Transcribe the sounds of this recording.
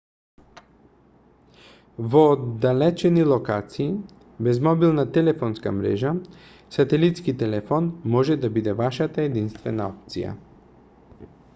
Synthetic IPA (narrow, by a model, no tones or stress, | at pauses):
vɔd̪alɛt͡ʃɛnilˠɔkat̪siː | bɛzmɔbilˠnat̪ɛlɛfɔnska̰mɾɛ̰ʒa | sat̪ɛlit̪skit̪ɛlɛfɔnmɔʒɛd̪abid̪ɛvaʃat̪aɛd̪inst̪vɛnaɔp̚t̪sḭja̰